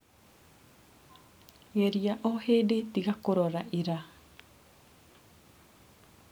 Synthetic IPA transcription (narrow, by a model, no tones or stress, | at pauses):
ɣeɾiaʔɔheːdetiɣakoɾɔɾaʔiɾa